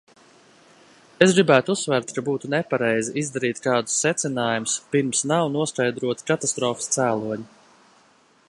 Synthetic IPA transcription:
esɡɾibæːt̪uusːvæɾt̪kabuːt̪unɛpaɾɛjziʔizd̪aɾiːt̪kɑːd̪u̥sːɛt̪sinaːjumʊspiɾmsnawnuɔskajd̪ɾuɔt̪i̥kat̪ast̪ɾɔːfist̪sæːlˠuɔɲi

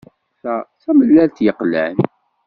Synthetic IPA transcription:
fæθæməlːælt̪jəqːlæ̰n

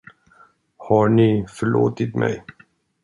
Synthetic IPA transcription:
hɑɳifœɭo̰ːt̪ɪt̪mʔɛ̰j

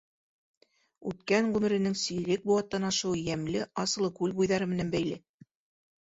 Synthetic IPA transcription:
ʉt̪kæŋʁʉmɘ̆ɾɘ̆nɘŋsɵ̆jɘ̆lɘk̚buɑt̪ːɑnɑʃɤ̆wjæmlɘʔɑsɤ̆lˠɤkʉlbujðɑɾɤmɘ̆nænbæjlɘ

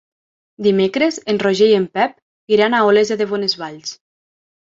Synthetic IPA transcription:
d̪imekɾezenroʒejempɛp̚ | iɾanaolezeðeβonezβaʎs

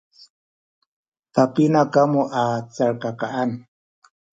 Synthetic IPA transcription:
t̪apɪnakamuʔat͡saɾkakaan

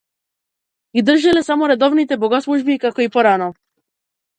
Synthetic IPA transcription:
ɡid̪r̩ʒilɛsamɔɾɛd̪ɔvnit̪ɛbɔɡaslˠuʒbikakɔipɔɾanɔ

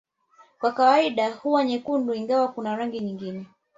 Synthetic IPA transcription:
kwakawaiɗahuwaɲɛkunduiŋɡawakunaɾaŋɡiɲiŋɡinɛ

